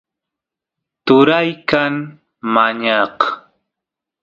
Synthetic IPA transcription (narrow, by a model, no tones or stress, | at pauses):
t̪ʊɾajkan | maɲɑq